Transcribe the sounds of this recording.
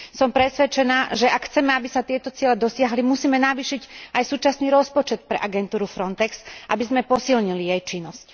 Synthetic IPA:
sɔmpɾɛsʋɛt͡ʃɛnaːʒɛʔakxt͡sɛmɛabisat̪ɪɛt̪ɔt͡sɪɛlɛd̪ɔsɪaɦlimusiːmɛnaʋiːʃicajsuːt͡ʃasniːɾɔspɔt͡ʃɛt̪̚pɾɛ̰ʔaɡɛnt̪uːɾufɾɔnt̪ɛksʔabizmɛpɔsilɲilijɛjt͡ʃinːɔsc

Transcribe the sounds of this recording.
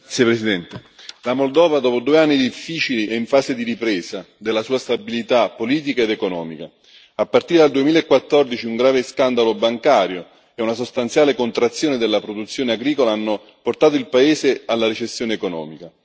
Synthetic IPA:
t̪spɾesid̪ɛnt̪elamold̪ɔːvad̪ɔːpod̪uːeanːid̪ifːiːt͡ʃiliʔɛiɱfaːsed̪iɾipɾɛːsa | d̪elːasuːast̪abilit̪apːoliːt̪̬ikaed̪ekonɔ̰ːmika | apːart̪iɾed̪ald̪uemilaekːwat̪ːɔrd̪it͡ʃiuŋɡɾaːveskand̪alobaŋkaːɾjo | ɛunas̬ost̪ant̪sjaːlekont̪ɾat̪sːjoːned̪elːapɾod̪ut̪sːjoːneaɡɾiːkolaanːʊ | port̪aːt̪oilpaeːsealːaɾet͡ʃesːjoːneːkonɔ̰ːmika

